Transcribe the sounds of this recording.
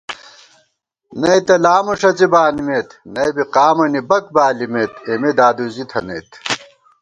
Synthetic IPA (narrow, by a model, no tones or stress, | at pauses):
nɐit̪ɐlaːmuʂɐt͡sibaːnimet̪nɐjbiqaːmɐnibɐk̚baːlimet̪emed̪aːd̪uzit̪ʰɐnḛːt̪